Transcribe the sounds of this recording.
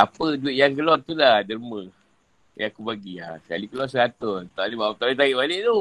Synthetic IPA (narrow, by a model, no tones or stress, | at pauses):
apəduɪt̪̚jaŋɡəlɔt̪ulahdəlmə̃ | jakubaɡiasə̥kalikəlwɔsəkat̪ʊnt̪anibaat̪ait̪̬aiʔbalɪʔt̪u